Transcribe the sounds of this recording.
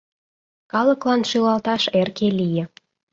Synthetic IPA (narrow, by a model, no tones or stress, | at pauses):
kɑləklɑnʃylɑlt̪ɑʃerkelijĕ